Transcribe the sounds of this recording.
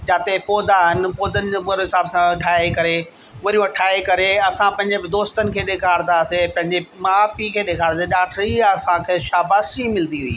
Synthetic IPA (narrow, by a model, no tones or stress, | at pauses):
d͡ʑaːt̪epoːd̪ʱaɦɪnɪ̆poːd̪ʱənɪ̆d͡ʑːɓʊɾɦɪsaːbsãʈʰaːekɐɾe | ʋɐɾijũɐʈʰaːekɐɾeɐsãpɐ̃ɦɪ̃ɲd͡ʑebɪd̪oːst̪ənɪ̆kʰeːɗeːkʰaːɽnasepɐ̃ɦɪ̃ɲd͡ʑemaːpikʰeːɗeːkʰaːɽaseɗaːʈʰɾiɐsãkʰeːʃaːbaːsimɪlnd̪iɦʊḭː